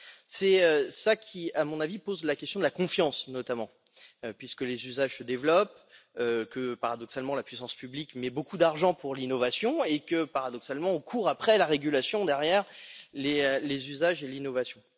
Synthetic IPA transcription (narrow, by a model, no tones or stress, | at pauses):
sɛøsakʲʰiamɔ̃navipozlakʲɛst̪jɔ̃d̪əlakɔ̃fjɑ̃snɔt̪amɑ̃ | øpɥiskəlezyzaʒsəd̪evlɔp | økəpaʁad̪ɔksalmɑ̃lapɥisɑ̃spyblikmɛbokud̪aʁʒɑ̃puʁlinɔvasjɔ̃ekəpaʁad̪ɔksalmɑ̃ɔ̃kʰuʁapχɛlaʁeɡʲylasjɔ̃d̪ɛʁjɛʁlelezyzaʒelinɔvasjɔ̃